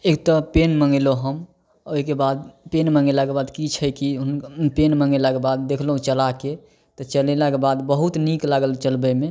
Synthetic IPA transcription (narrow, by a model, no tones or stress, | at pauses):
ekt̪ɔpenməŋeloɦəm | oɦikebad̪̚penməŋɡelakebad̪kit͡ʃʰəjkiunpenməŋɡelakebad̪ːekʰləɦũt͡ʃəlake | t̪ɔt͡ʃəlelakebad̪bəɦut̪niklaɡəlt͡ʃəlbəme